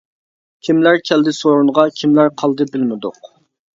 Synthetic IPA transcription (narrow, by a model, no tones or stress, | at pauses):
kʲʰimlæɾkʲʰɛld̪ɪsoɾunʁɑkʲʰimlæɾqʰɑlˠd̪ɨbɪlmɪd̪ʊ̰q